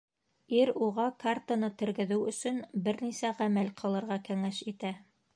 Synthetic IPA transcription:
iɾuʁɑkart̪anɤt̪ɘ̆ɾɡɘ̆ðɘwɵ̆sɵnbɘɾnisæʁæmælqʰɤ̆lˠɤ̆ɾʁɑkæŋæʃit̪æ

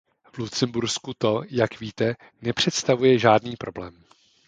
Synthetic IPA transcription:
vlut̪t͡sɛmbuɾskut̪o̞jakviːt̪ɛ | nɛpr̝̥ɛt̪st̪avujɛʒaːdniːpɾʔo̞blɛːm

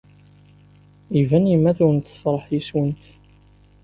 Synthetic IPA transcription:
ivænimːæθuɾənt̪fɾˤəħjiswənt̪

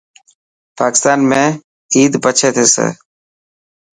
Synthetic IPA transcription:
paːkɪst̪aːnmẽː | iːd̪pət͡ʃʰeːt̪ʰeːsḛː

